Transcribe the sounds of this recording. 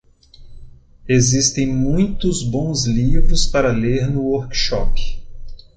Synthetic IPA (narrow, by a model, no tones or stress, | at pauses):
ezist̪ẽj̃mũj̃t̪ʊzbõw̃zlivɾʊspaɾɐleɾnʊoɾkʃɔ̰pɪ̥